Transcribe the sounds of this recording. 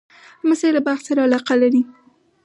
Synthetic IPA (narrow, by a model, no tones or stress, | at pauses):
masajlabaxt̪saɾaalɑqalaɾi